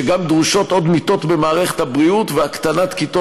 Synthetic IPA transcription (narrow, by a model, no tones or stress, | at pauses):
eɡamd̪ʁuʃo̞t̪o̞d̪mit̪o̞t̪be̞maːʁeχe̥t̪habʁiut̪veakt̪anat̪kit̪o